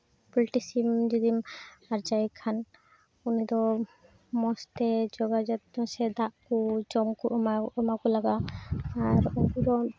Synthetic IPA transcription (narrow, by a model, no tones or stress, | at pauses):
pliʈisimd͡ʒɔd̪imaɾd͡ʒaikʰːan | unid̪ɔ | mɔst̪ɛd͡ʒɔɡad͡ʒɔt̪̚sɛd̪aʔkud͡ʒɔmkuʔɔmaɔmakulaɡaː | ɾunkud̪ɔ